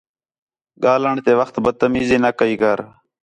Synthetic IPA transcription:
ɠaːləɳt̪eːʋəxt̪bəd̪̚t̪ːəmiːziːnəkəiːkəɾ

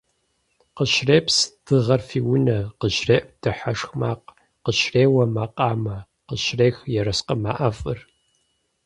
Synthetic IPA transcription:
qəʃreːpsd̥ɨʁɐrfiːwʊnɐqəʃreːʔd̥ɨħaʂxmaːq | qəʃreːwɐmaːqʼaːmɐ | qəʃreːxjɛɾɐsqəma̰ːʔɐfʼɨr

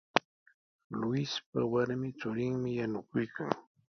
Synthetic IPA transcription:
lʊɪsp̚awaɾmɪt͡sʊɾɪŋmɪjanʊkʊjkaŋ

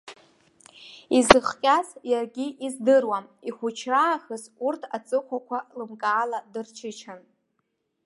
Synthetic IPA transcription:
izɨχkʲʼasjarɡʲiʔizdɨrwamiχʷut͡ʃʰraːχɨzurtʰat͡sʼɨχʷakʷʰalɨmkʼaːladɨrt͡ʃʰɪt͡ʃʰan

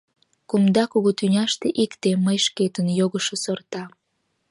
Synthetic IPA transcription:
kumd̪ɑkuɣut̪ynʲɑʃt̪eʔikt̪eməjʃket̪ənjoɣəʃosort̪ɑ

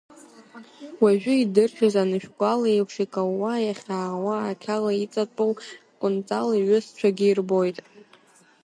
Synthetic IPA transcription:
waʒᶣʏidɨrχʲazanɨʃᶣɡʷʼalaepʰʂikʼaːajaχʲaːwaːkʲʰalait͡sʼatʼuwkʷʼʊnt͡sʼaliɥʊst͡ɕʷʰaɡʲɪirbo̞jtʼ

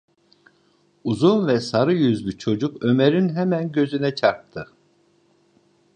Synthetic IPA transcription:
uzunvɛsaɾɯjyzlʲyt͡ʃʰo̞d͡ʒukø̞meɾinɦɛmænɟø̞zynɛt͡ʃʰaɾp̚t̪ʰɯ

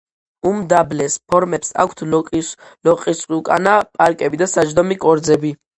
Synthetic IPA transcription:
umd̪ablɛspʰɔɾmɛpsa̰kʷʰt̪ʰlʼlɔqʼisχwiukʼanapʼaɾkʼɛbid̪asad͡ʒd̪ɔmikʼɔɾd̪zɛbi

